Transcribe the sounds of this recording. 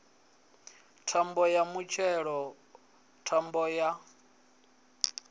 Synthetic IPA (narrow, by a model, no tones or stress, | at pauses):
tʰambɔjamut͡ʃʰɛɺɔ | tʰambɔja